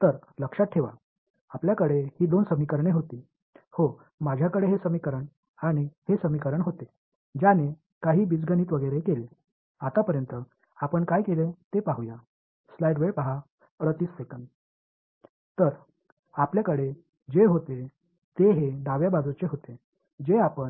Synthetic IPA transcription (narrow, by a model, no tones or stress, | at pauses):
t̪əɾləkʂat̪̚ʈʰeʋa̰ | apljakəɽehiːd̪onsəmikəɾɳeɦot̪iː | ho | mad͡ʑʱjakəɽeɦesəmikəɾəɳ | aɽ̃ihesəmikəɾəɳɦot̪e | d͡ʑjane | kaɦiːbid͡zɡʱəniːt̪ʋəɡəjɾekele | at̪apəɾjənt̪ə | apəɳkajkelet̪epaɦuja | slajɖʋepaɦa | əɽət̪iːsːekəɳɖ | t̪əɾ | apljakəɽe | d͡ʑeɦot̪e | t̪eɦeɖaʋjabad͡zut͡ɕeɦot̪e | d͡ʑeapəɳ